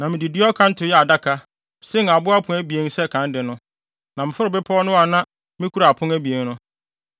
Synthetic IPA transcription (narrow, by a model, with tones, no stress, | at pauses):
nã˨mɪ̃˨di˨dɪ˦ɔ˦kʰã˦n̩˦tʰʊ˨˦jɛ˦a˨da˦kʰa˦ | sɪ˦n˨a˨bʊ˦a˦pʰʊ̃˨˦æ˦bi˨e˦n̩˦sɛ˦kʰã˨˦ndɪ˨nʊ̃˦ | nã˨m̩ɪ˨fʊ˦ɾɪ˨bɪ˦pʰɔ˦nʊ̃˦a˨nã˦ | mɪ̃˦kʰu˦ɾa˨a˨pʰʊ̃˦ŋæ˦bi˨e˨n˦ʊ̃˦